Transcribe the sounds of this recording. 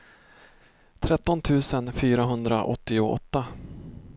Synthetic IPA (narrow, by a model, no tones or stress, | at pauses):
t̪ʰɾɛt̪ːɔnt̪ʰʉ̟ːsənfyːɾaɦɵnd̪ɾa̰ʔɔ̰t̪ːɪʊɔ̰t̪ːa